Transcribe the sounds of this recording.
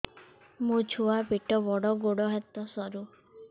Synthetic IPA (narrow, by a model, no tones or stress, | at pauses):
mũt͡ʃʰuabiʈɔbɔɽɔɡoɽɔɦɛt̪ɔsɔɾu